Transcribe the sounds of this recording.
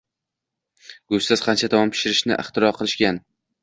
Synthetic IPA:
ɡost̪asqʰɑnt͡ʃʰat̪ʰamɒmpʰɪ̥ʃɪɾɪʃnɪʔɪχt̪ɪɾɒɾqʰɨlˠɪʃɡʲan

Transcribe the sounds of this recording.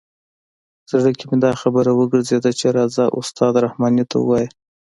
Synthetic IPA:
z̥əɽəkemed̪ɑxabəɾawəɡəɾzed̪at͡ʃeɾɑzɑʔʊst̪ɑd̪ɾahmɑnit̪ʰa̰ṵwɑji

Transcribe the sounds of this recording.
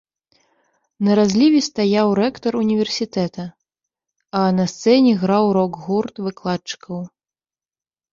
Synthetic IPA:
nɐɾazʲlʲivʲist̪ajawɾɛkt̪ɐɾunʲivʲɛrsʲit̪ɛt̪ɐ | ɐnɐst̪sɛnʲɛɣɾawɾɔɡɣurt̪vɨklˠat̪t͡ʂɨ̥kʰɐw

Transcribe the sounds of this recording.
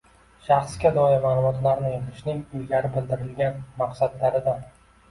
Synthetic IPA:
ʃɑχsɡʲad̪ɒjɪmaːlˠʊmɒt̪laɾnɪet̪ʰɪʃnɪŋʊjɡʲaɾɪbɪld̪ɪɾɪlɡʲanmaqsad̪laɾɪd̪a

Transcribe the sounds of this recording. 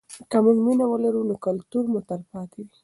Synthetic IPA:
kamuɡminawəlaɾunokʊlt̪uɾmut̪aɾpɑt̪ewi

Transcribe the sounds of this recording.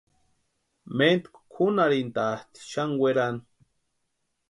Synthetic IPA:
ment̪kʷkʰunaɾint̪at̪i̥ʃaŋwʷeɾan

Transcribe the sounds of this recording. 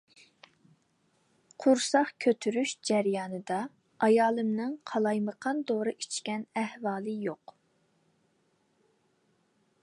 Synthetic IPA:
qʰʊɾsɑχkʲʰøt̪ʰyɾyʃd͡ʒɛɾjɑːnɨd̪ɑ | ɑjɑːlˠɨmnɨŋqʰɑlˠɑjməqʰɑnd̪oɾɨʔit͡ʃʰkʲɛnæhvɑːlˠɨjoq

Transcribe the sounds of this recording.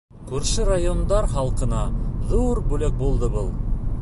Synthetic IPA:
kʉɾʃɘɾajond̪ɑɾχɑlˠqɤ̆nɑðuɾbʉlɘk̚bulˠd̪ɤbɤlˠ

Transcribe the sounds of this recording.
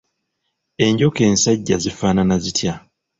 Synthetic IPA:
e̞ɲɟo̞ke̞ːnsaɟːazifaːnanazitʰja

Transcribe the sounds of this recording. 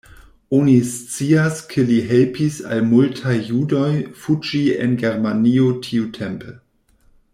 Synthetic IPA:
onist͡siaskʰeliɦelpisa̰lmultʰajːudo̞jfud͡ʒiḛnɡeɾmaniotʰiutʰempʰe

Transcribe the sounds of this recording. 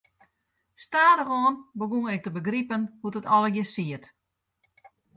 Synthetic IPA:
staːdəxɔːnbəɡuŋɛk̚təbəɡripənhutətɔlˠəɡjəsiət

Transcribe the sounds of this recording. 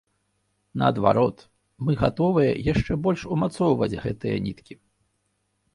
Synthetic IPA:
nɐɐd̪va̰ɾɔt̪ | mɨɣat̪ɔvɨjɐ̰jaʂt͡ʂɛbɔlʲʂumat̪sɔwvɐd͡zʲɣɛt̪ɨjɐ̰nʲit̪kʲi

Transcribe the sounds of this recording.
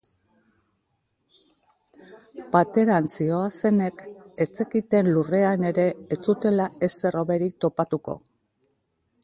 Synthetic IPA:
pat̪e̞ɾant͡sio̞ase̞ne̞ke̞t͡se̞kit̪e̞nlure̞ane̞ɾe̞ːt͡sut̪e̞lae̞se̞ro̞βe̞ɾik̚t̪o̞pat̪uko̞̰

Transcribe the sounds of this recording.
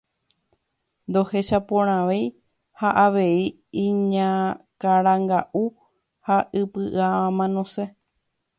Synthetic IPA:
nd̪o̞he̞ʃapõɾ̃ãʋej | haʔaʋe̞i | ĩɲãkaɾãŋɡaʔu | haʔɨpɨʔaãmãnõ̞se̞

